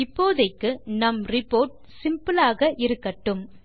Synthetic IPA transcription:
ɪpːoːðɐɪkːɯnɐmrɪpːoːɾʈ̚ | sɪmpɯlaːɣɐʔɪɾɯkːɐʈːɯm

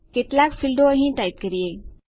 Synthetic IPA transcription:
ket̪lakfʰilɖoəɦĩʈaip̚kəɾie

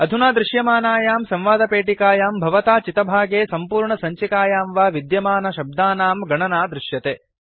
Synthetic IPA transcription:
ɐd̪ʱunaːd̪ɾɪʃjɐmaːnaːjaːmsɐ̃mʋaːd̪ɐpeːʈikaːjaːmbʱɐʋɐt̪aːt͡ʃit̪ɐbʱaːɡeːsɐmpuːɾɳɐsɐɲt͡ʃikaːjaːmʋaːʋid̪jɐmaːnɐʃɐb̚d̪aːnaːmɡɐɳɐnaːd̪ɾɪʃjɐt̪eː

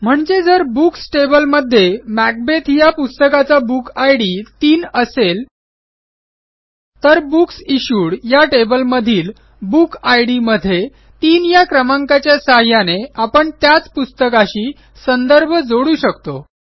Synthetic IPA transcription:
m̤əɳd͡zed͡zəɾbuksʈebəlməd̪ʱːjemæk̚bet̪ʰjapust̪əkat͡sabukajɽiːt̪iːnəsel | t̪əɾbuksiɕuːɽjaʈebəlməd̪ʱiːl | bukajɽiməd̪ʱːje | t̪iːnjakɾəmãŋkat͡ɕjasaɦjaneapəɳt̪jat͡spust̪əkaɕiː | sənd̪əɾbʱəd͡zoɽuːɕəkt̪o

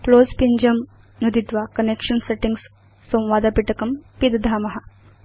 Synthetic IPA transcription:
kloːspiɲd͡ʒɐm | nud̪it̪ʋaːkɐnekʂɐnseʈiŋɡsː | ɐ̃w̃ʋaːd̪ɐpiʈɐkɐmpid̪ɐd̪ʱaːmɐɦɐ̆

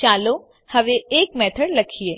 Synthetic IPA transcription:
t͡ʃaːlo | hɐʋeeːkmɛːt̪ʰəɽlɐkʰieː

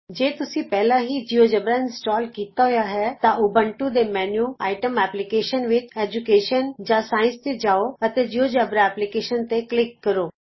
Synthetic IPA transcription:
d͡ʒeːt̪ʊsĩːpɛːlãːɦiːd͡ʒijoːd͡ʒəbɾaɪnsʈɔːlkiːt̪aɦʊjaːɦɛːt̪ãʔʊbə̃ɳʈud̪eːmɛːnjuːaːɪʈəmɛːplɪkeːʃənʋɪt͡ʃɛːd͡ʒʊkeːʃənd͡ʒãːsaːɪ̃nst̪ed͡ʒaːoət̪eːd͡ʒijoːd͡ʒabɾaɛːplɪkeːʃənt̪eklɪkːəɾoː

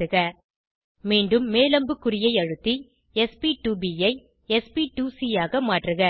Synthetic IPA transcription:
ɯɣɐ | miːɳɖɯmːeːlɐmbɯkːʊɾɪjɐɪɐɻɯt̪ːi | ɛspiʈuːbiɐɪ | ɛspiʈuːsijaːɣɐmaːʈrɯɣɐ

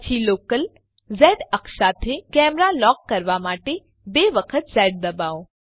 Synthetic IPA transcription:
t͡ʃʰiloːkəl | zɛːɖəksat̪ʰekɛːmɾalɔːkːəɾʋamaːʈe | beːʋəkʰət̪zɛːɖ̚d̪ɐbaːo

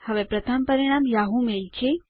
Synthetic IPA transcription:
həʋepɾət̪ʰəmpəɾiɽ̃amjaɦumelt͡ʃʰe

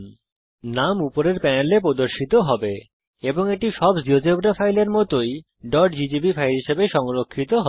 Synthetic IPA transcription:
namupoɾeɾpɛnelepɾod̪oɾʃit̪oɦɔbe | eboŋeʈiʃɔbd͡ʑiod͡ʑebɾafʰajleɾmɔt̪oj | ɖɔɖd͡ʑid͡ʑibifʰajɾɦiʃebeʃɔŋɾokʰːit̪oɦ

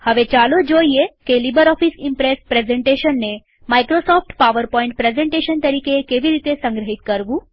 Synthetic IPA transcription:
həʋet͡ɕalod͡ʑoiekelibəɾɔfisimpɾespɾezeɳʈeʃənːe | majkɾosɔfʰʈpaʋəɾpɔiɳʈ̚pɾezẽɳʈeʃənt̪əɾiːkekeʋiɾit̪esə̃ŋɡɾəɦit̪kəɾʋũː

